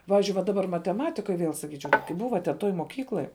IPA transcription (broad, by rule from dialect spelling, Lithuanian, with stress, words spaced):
ˈpɑːʋʲɪzʲd͡ʒʲʊɪ ʋɐ dɐˈbɐr mɐtʲɛˈmɑːtʲɪkoːj ˈʋʲiɛlˠ sɐˈkʲiːt͡ʃʲɛʊ kɐɪ ˈbʊʋɐ tʲɛn ˈtoːj moːˈkʲiːklˠoːj